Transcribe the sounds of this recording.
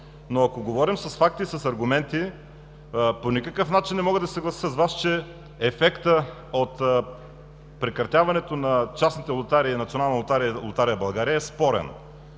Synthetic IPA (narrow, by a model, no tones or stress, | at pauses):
noɐkoɡovɔɾimsɐsfak̚t̪isɐsɐɾɡʊmɛnt̪i | ponikəkɤfnat͡ʃinːɛmɔɡəd̪ɐsəɡlˠɐsi̥səzvast͡ʃɛ | ɛfɛkt̪ə | ot̪ | pɾɛkɾɐt̪ʲjavɐnɛt̪onɐt͡ʃasnit̪ɛlˠot̪aɾiinɐt̪ionalˠnɐlˠt̪aɾilˠʊt̪aɾijəbɐlˠɡaɾijəɛspɔɾɛ̰n